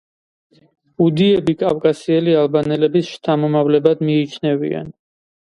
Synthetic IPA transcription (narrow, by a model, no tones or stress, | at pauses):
ud̪iɛbikʼafkʼasiɛlialˠbanɛlɛbisʃt̪ʰamɔmavlɛbad̪miːt͡ʃʰnɛvḭa̰n